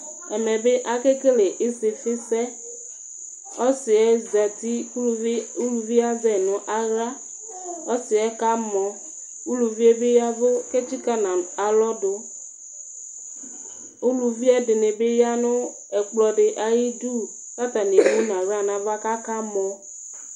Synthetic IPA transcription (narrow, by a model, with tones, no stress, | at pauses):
ɛ˨mɛ˨be˦ʔa˨ke˦ke˦le˨ʔɪ˦sɪ˨fɪ˦sɛ˦ | ɔ˦sɪ˨ɛ˦zɛ˨t̪i˦u˦lu˦u˦lu˨vi˦a˦zɛ˨nʊ̃˨ʔa˦ɣɾa˦ | ɔ˦sɪ˨ɛ˦ka˦mɔ̃˨ | u˦lu˨vi˦e˦be˦ja˦vo˦ke˦t͡ʃi˦ka˦na˨a˨lɔ˦do˦ | u˦lu˨vi˦ɛ˦dɪ˨ne˨be˦ja˦nʊ̃˦ | ɛ˨k͡plɔ˨ɖɪ˨ʔa˨ji˦du˦ | sa˦t̪a˨n˨e˨bu˦nã˨ɣɾa˦nã˨va˦ka˦ka˦mɔ̃˨